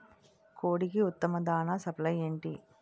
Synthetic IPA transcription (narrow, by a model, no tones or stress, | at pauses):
koːɽikiut̪ːɐmɐd̪aːnaːsɐplɐjeːɳʈi